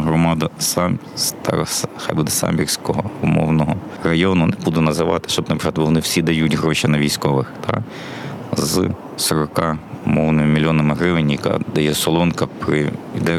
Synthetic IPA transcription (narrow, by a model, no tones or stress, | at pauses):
ɦɾɔmɑd̪ɐsɑmst̪ɑ̰ɾsxɑjbud̪ɛsɑ̰mʲbʲirʲsʲkɔɦɔʊmɔ̰wnɔɦɔ | rɐjɔnʊnɛbud̪ʊnɐzɪʋɑt̪ɪ̥ʃt͡ʃɔbnɐpɾt̪ʋɔnɪwsʲid̪ɐjutʲɦɾɔʃɪnɐʋʲijsʲkɔʋɪxt̪ʰɑ̰ | z | sɔɾɔkɑʊmɔwnɪmɪmʲilʲːɔnɐmɪɦɾɪʋɪnʲjɐkɑ̰d̪ɐjɛsɔlˠɔnkɐpɾɪid̪ɛ